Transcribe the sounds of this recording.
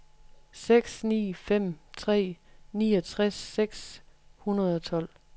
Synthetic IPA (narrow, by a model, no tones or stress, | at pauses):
seɡ̥snḭːfem̰t͡sʰʁɛ̰ːniːɒt͡sʰʁaseɡ̥shunɐð̞ˠɒ̽t͡sʰɒ̽l̰